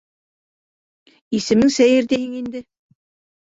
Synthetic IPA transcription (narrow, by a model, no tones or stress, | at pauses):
isɘ̆mɘŋsæjɘɾd̪eɦɘŋind̪ɘ